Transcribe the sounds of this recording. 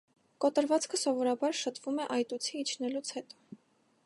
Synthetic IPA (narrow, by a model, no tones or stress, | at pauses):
kɔt̪əɾvɑt͡skʰəsɔvɔɾɑbɑɾʃət̪ʰvumɛʔɑjt̪ut͡sʰiːt͡ʃʰnɛlut͡sʰhɛt̪ɔ̥